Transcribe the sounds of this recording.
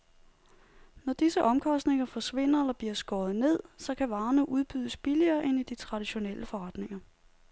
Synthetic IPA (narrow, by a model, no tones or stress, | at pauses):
nɒd̥isəʔɒ̽mkʰɒ̽sd̥ne̝ŋɐfɒ̽sʋe̝n̰ɐelɐb̥liɐsɡ̥ɒːð̩ˠne̝ð̞̰ˠsɒ̽kʰæʋɑ̈ːnəʔuð̞ˠb̥yðˠəsb̥iliɐːʔe̝nid̥it͡sʰʁɑ̈d̥iɕo̝nel̰ʔəfɒ̽ʁɑ̈d̥ne̝ŋɐ